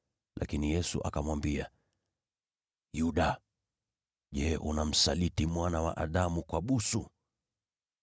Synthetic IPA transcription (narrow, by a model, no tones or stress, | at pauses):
lʔa̰kinijɛsṵʔa̰kamwambia | juɗa | ʄɛʔunam̩salitimwanawa̰ʔaɗamukwaɓusu